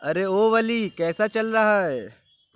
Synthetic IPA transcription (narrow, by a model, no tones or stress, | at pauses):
ɐɾeoːʋɐlikɛːsat͡ʃɐlɾɐɦaɦɛː